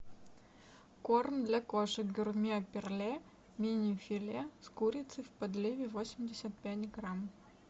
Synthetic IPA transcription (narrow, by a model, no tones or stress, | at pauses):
kornd̪lʲɐkoʂɨɡʲʊrmʲiɐpʲɪrlʲe | mʲinʲɪfʲɪlʲeskuɾʲɪt̪sɨfʲpɐd̪lʲivʲɪvosʲɪmʲdʲɪsʲət̪̚pʲætʲɡɾam